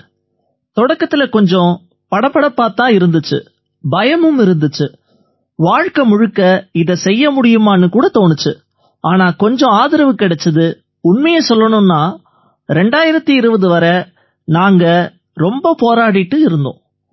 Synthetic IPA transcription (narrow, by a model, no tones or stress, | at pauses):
t̪ɔɽɐkːɐt̪ːɪlɐkɔɲd͡ʒɔ̃ | pɐɽɐpːɐɽɐpːaːt̪ːãːɪɾɯnd̪ɯt͡ʃːɯ̰ | bɐjɐmɯmɪɾɯnd̪ɯt͡ʃːɯ | ʋaːɻkɐmʊɻɯkːɐɪðɐsɛjːɐmʊɽɪjɯmaːnːɯkuːɽɐt̪oːnɯt͡ʃːɯ | aːnaːkɔɲd͡ʒɔ̃aːðɪɾɐʋɯkːɪɽɛt͡ʃːɐðɯ | ʊnmɐjɐsɔlːɐɳɯnːaː | ɾɛɳɖaːjɪɾɐt̪ːiɪɾɯʋɐðɯʋɐɾɐ | naːŋɡɐ | ɾɔmbɐpoːɾaːɽɪʈːɯɪɾɯnd̪õ̰ː